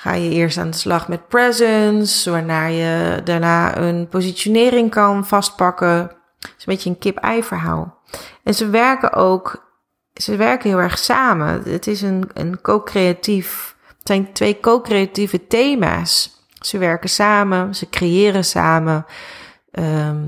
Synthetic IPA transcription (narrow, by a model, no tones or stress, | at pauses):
χa̰ːjəɪːɹsta̰ːndəslɑχmɛt̚prɛzənsʋaːɹnaːɹjədaːɹnaːə̰npozisjonɪːrɪŋkɑnfɑst̚pɑkə | ɪsnbɪtjəənkɪpɛ̰jfəɹɦa̰ːlˠ | ʔɛnzəʋɛɹkə̰ʔo̰wk | səʋɛɹkəɦɪlˠɛɹχsaːmə̰ə̰tɪsənə̰nkoːkreatif | tsɛjntʋejkowkreativəteːma̰ːsː | əʋɛɹkəsaːməsəkrejɪːɾəsa̰ːmə | ʔə